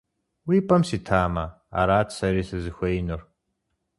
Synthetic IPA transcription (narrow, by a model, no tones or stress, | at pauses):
wiːpʼɐmsiːtʰaːmɐ | a̰ɾaːtsɐɾiːsɨzɨxʷɐjnɨr